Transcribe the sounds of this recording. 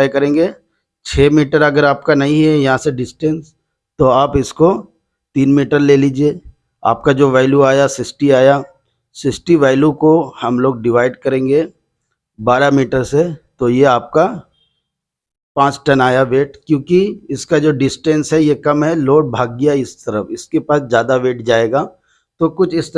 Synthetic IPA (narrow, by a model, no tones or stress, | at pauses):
jkɐɾẽːŋɡeː | t͡ʃʰeːmiːʈəɾɐɡəɾaːp̚kanɐɦĩɦɛjɐɦãseɖɪsʈɛ̃ns | t̪oaːpɪsko | t̪iːnmiːʈəɾleːliːd͡ʒieː | a̰ːp̚kad͡ʒoːʋaːɪljuaːjasɪsʈiaːja | sɪsʈiʋaːɪljũkohɐmloːɡ̚ɖɪʋaːɪɖkɐɾẽːŋɡeː | baːɾamiːʈəɾset̪ojeaːp̚ka | pãːt͡ʃʈɐnaːjaʋeːʈkjõːkiɪskad͡ʒoːɖɪsʈɛ̃nsɦɛjekɐmɦɛloːɽ̚bʱaːɡ̚ːɐjaɪst̪ɐɾəfɪskepaːsd͡ʒjaːd̪aʋeːʈ̚d͡ʒaːeːɡaː | t̪oːkʊt͡ʃʰɪst̪